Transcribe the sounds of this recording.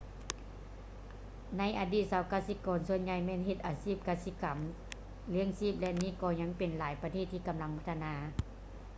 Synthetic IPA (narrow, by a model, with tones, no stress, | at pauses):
na˧˥˨jʔaː˨diː˧˩t̪̚saː˨˦wkaː˧˨si˧˥kɔː˨˦nsu˧ənɲa˧˩jmɛː˧˥˨nhe˧˩t̪̚ʔaː˨˩siː˧˥˩p̚kaː˧si˧ka˨˩˦m | li˧˥ə˨ŋsiː˥˩p̚lɛ˧niː˧˥˩kɔː˧ɲa˧˥˨ŋpe˨nlaː˨˦jpa˧eː˧˩t̪ʰːiː˧ka˨mla˧˥ŋpʰa˧t̪ʰa˧naː˧